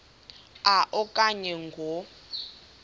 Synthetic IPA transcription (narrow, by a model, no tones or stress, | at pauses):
aʔɔkʼaɲɛŋɡʱɔ